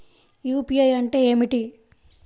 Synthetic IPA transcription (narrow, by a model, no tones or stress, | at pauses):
juːpiɐjɐɳʈe̞ːeːmiʈi